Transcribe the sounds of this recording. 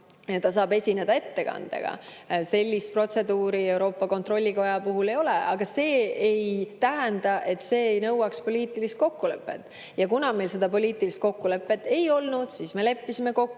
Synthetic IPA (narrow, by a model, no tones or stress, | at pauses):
et̪ːɑs̬ɑːbe̞sʲine̞d̪̥ɑe̞t̪ːe̞kɑ̰nd̪̥ḛɡ̥ɑ̰se̞lʲːist̪̚pro̞t̪se̞d̪uːɾiewɾo̞ːpˑːɑko̞nt̪ro̞lʲːiko̞jɑpuɦule̞jo̞le̞ʔɑɡ̥ɑse̞ːejt̪æɦænd̪̥ɑʔe̞t̪ːˑse̞ːejnɤ̞wɑkspo̞lʲiːt̪ˑilist̪̚ko̞kːule̞pːˑe̞̰t̪ːˑ | jɑkunɑme̞jlse̞d̪̥ɑpo̞lʲiːt̪ˑilist̪̚ko̞kːule̞pːˑe̞t̪ːˑe̞jo̞lnud̪̥siːsme̞le̞pːisime̞ko̞kːu